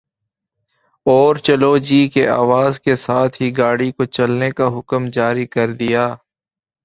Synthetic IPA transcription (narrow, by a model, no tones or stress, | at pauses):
ɔːɾt͡ʃəlod͡ʒiːkeaːʋaːzkesaːt̪ʰɦiɡaːɽikot͡ʃɐlnekaɦʊkəmd͡ʒaːɾikɐɾd̪ɪjaː